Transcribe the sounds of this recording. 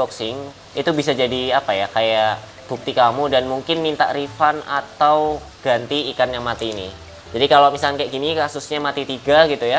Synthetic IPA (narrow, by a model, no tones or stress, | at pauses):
ɔksɪŋ | it̪ubisad͡ʒadiapajakajaʔ | b̥uk̚t̪ikamudanmuŋkɪnmint̪a̰ʔɾifana̰t̪aw | ɡ̥ant̪iːkanjaŋmat̪iːnḭ | d͡ʒadikalamisalankajaʔɡinikasusɲamat̪it̪iɡaɡit̪uja